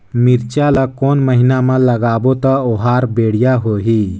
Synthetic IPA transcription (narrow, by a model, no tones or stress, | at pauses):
miɾt͡ʃalakonməɦinamələɡaːbot̪əoɦaɾbeɽ̤ijaɦoɦi